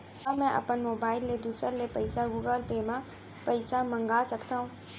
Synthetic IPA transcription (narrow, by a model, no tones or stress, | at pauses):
ɐbmɛ̃ʔɐ̰pənmoːbaːɪlːed̪uːsəɾlepɐɪsaɡuːɡəlpeːmã | pɐɪsamɐ̃ŋɡaːsɐkt̪aːɦũː